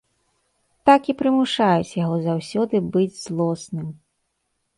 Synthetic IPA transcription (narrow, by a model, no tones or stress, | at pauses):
t̪akipɾɨmuʂajut͡sʲjaɣɔzawsʲɔd̪ɨbɨd͡zʲzlˠɔsnɨm